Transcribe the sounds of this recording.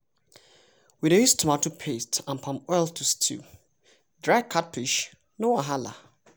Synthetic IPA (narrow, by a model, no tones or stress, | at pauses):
widejustʰumatupʰestãnpʰãmɔjltʰustʰḭ | dɹajkʰat̚pʰiʃ | nowaɦala̰